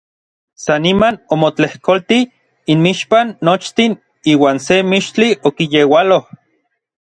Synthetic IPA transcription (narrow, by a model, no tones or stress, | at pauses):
sanimanomot͡ɬehkolt̪i | inmiʃpanːot͡ʃt̪in | iːwaːnsemiʃt͡ɬiʔokijewaloh